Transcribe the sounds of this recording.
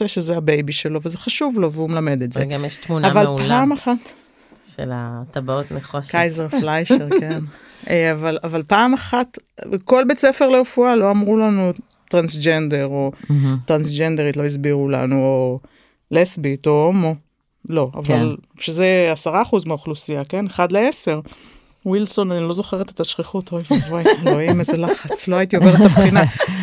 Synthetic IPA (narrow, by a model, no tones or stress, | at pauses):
eʃezeabejbiʃelo̞vezeχaʃuvlo̞veumelame̞d̪etzeɡamjeʃt̪munaavaluplaamaχat̪ | ʃḛla̰t̪abaot̪meχoʃkajzeʁflajʃeʁken | avalavalpaːmaχat̪ko̞lbet͡sefe̞ʁleufualo̞amʁulanu | t̪ʁansd͡ʒend̪eʁo̞t̪ʁansd͡ʒend̪eʁit̪lo̞izbiʁula̰nuo | lesbit̪omo | lo̞a̰val | ʃezeasaʁaːχuzmeuχlusiake̞neχad̪leese̞ʁ | wilso̞nanilo̞zo̞χeʁet̪et̪aʃχiχut̪ovoaloimezelaχat͡slo̞ait̪ioveʁet̪apχina